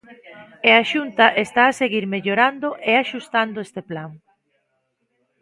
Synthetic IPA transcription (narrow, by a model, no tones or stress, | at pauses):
eaʃunt̪ɐʔest̪aːseɣiɾmeʎoɾand̪oʔeaʃust̪and̪ʊest̪eplaŋ